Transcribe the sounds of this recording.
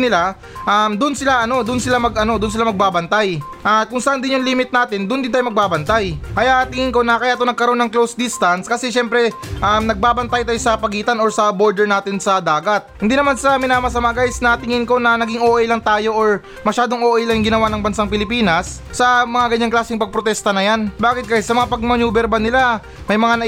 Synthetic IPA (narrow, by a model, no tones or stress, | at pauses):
nɪla | ʔɐmd̪ʊnsɪlaʔɐno̞d̪ʊnsɪlamɐɡʔɐno̞d̪ʊnsɪlamɐɡ̚baːbɐnt̪aj | ʔɐkʊŋsɐʔɐnd̪ɪnjʊŋliːmɪt̪̚naːt̪ɪnd̪ʊnd̪ɪnaːjomɐɡ̚baːbɐnt̪ajkɐjaʔt̪ɪŋɪŋko̞nɐkɐjaːʔt̪onɐɡ̚kɐɾoʔonɐŋklowsd̪ɪst̪ɐnskɐsɛʃɛmpɾɛʔamnɐɡ̚baːbɐnt̪ajt̪aːjosɐpɐɡiːt̪ɐno̞ɹsɐbo̞ɹd̪ɛɹnaːt̪ɪnsɐd̪aːɡɐt̪̚hɪnd̪iːnɐmansɐmɪnaːmɐs̬ɐmaːɡajsnɐt̪ɪŋɪŋko̞nɐnɐɡɪŋʔoːʔɛjlɐŋt̪aːjo̞ʔoɹ | mɐʃaːd̪o̞ŋʔoːʔɛjlɐŋŋɡɪnɐwanɐŋbɐnsaŋpɪlɪpiːnɐsːɐmɐŋaɡɐɲːaŋklaːsɪŋpɐɡ̚pɾot̪ɛst̪ɐnɐjanbaːkɪt̪̚kaɪt̪sɐmɐŋapɐɡ̚mɐɲuːbɛɾbanɪla | mɐjmɐŋanɐ